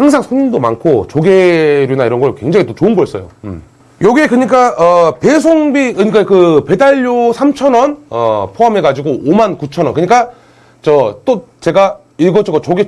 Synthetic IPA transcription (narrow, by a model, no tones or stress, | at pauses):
haŋsʰaŋsʰoɲindoma̰nkʰot͡ɕoɡe̞ɾjunaiɾʌnɡʌɭkwe̞ŋd͡ʑaŋit͈ot͡ɕoɯnɡʌs͈ʌjo̰ | jʌɡiekɯɲik͈aʌpe̞sʰoŋbikɯɲik͈akɯpe̞daʎːosʰamt͡ɕʰʌnʌnʌ̰pʰoɦame̞kad͡ʑiɡoʔomankut͡ɕʰʌnwʌnkɯɲik͈a | t͡ɕʌt͈o | t͡ɕe̞ɡa | iɭɡʌt͡ɕ͈ʰʌɡot͡ɕoɡe